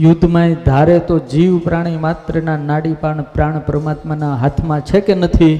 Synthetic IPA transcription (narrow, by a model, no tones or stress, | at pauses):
jʊd̪ʱmajĩd̪ʱaɾet̪od͡ʒiʋpɾaɽ̃imat̪ɾənanaɽipaɳ̃pɾaɳ̃pɾəmat̪manaɦat̪ʰmãt͡ʃʰekenət̪ʰi